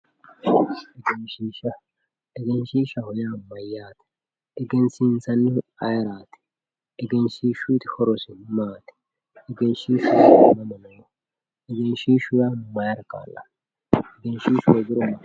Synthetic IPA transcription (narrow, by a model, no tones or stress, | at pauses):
ɛɡɛnʃiːʃɐ | ɛɡɛnʃiːʃɐhɔjaːmːɐjaːt̪ | ɛɡɛnsinsɐnːɪɐjɐɾaːt̪ɪ̥ | ɛɡɛnʃiːʃʊt̪ɪ̥hɔɾɔsɪnmaːt̪ɪ̥ | ɛɡɛnʃiːʃʊmɐmɐnɐw | ɛɡɛnʃiːʃʊjanʊmɐjɐɾka̰ːlːɐ̰ | ɛɡɛnʃiːʃɔɡɪɾɔm